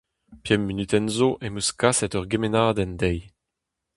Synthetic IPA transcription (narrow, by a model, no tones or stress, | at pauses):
pjɛmːinyt̪ɛnzoʔemøskasɛtœʁɡemenaːd̪ɛndɛj